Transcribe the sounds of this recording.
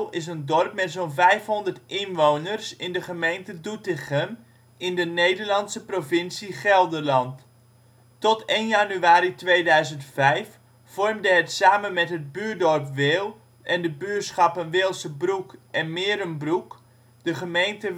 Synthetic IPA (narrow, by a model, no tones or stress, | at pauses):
ɪs̬əndɔrpmɛtsownvɛjfɦɔndərtɪnʋownərsɪndəχəmejntədutɪχən | ɪndənejdərlɑnsəprovɪnsiχɛlˠdəlɑnt | tɔtejnjanyaːɾitʋejdœɥzəntfɛjf | fɔrmdəɦətsaːmənmɛtɦəd̚byːdɔrpʋɪːlˠ | ʔɛndəbyːsχɑpənʋɪːlˠsəbrukʔɛnmɪːɾənbruk | d̥əχəmejntə